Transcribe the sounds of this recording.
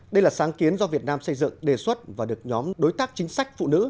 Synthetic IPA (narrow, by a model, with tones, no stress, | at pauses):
ɗə˧jlaː˨˩saː˨˦ŋki˨˦ənzɔ˧vi˨˩ət̚naː˧msə˧jzɨ̰˧˨ŋɗe˨˩swə˦˥t̚vaː˨˩ɗɨ˨˩ək̚ɲɔ˨˦mɗo˨˦jt̪aː˦˥k̚t͡ɕï˨˦ŋ̟sa˦˥jk̟̚fṵ˧˨nɨ̰˧˥